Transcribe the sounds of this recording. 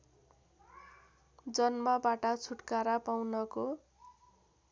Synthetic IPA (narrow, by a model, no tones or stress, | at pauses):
d͡zʌnmʌbaʈʌt͡sʰuʈkaɾapawnʌko